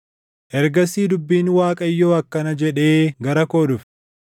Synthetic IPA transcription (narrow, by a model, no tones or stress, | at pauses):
ʔɛɾɡɐsiːd̪ʊbːiːnwaːkʼɐjːo̞ːɐkːɐnɐd͡ʒɛᶑe̞ːɡɐɾɐko̞ːdʊf